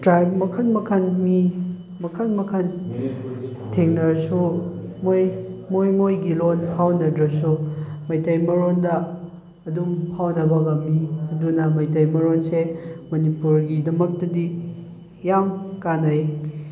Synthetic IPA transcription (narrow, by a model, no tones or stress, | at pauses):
dɾajbmɐkʰɐnmɐkʰɐnmi | mɐkʰɐnmɐkʰɐn | tʰeŋnɐɾsu | mojmojmojɡilonhawnɐdɾɐsumɐjtɐjmɐɾondɐː | dumhawnɐbɐɡɐmiɐdunɐmɐjtɐjmɐɾonsemɐnipuɾɡidɐmɐk̚tɐdi | jamkanɐj